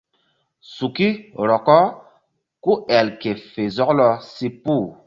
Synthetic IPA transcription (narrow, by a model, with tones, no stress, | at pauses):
su˨ki˦ɾɔ˨kɔ˦ | ku˦ɛ˨lke˨fe˨zɔ˦klɔ˦si˦pu˦˨